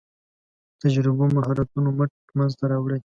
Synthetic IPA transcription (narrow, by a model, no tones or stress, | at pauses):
t̪ad͡ʒɾɪbomaɦaɾat̪unoməʈ | manzt̪aɾɑwɽəj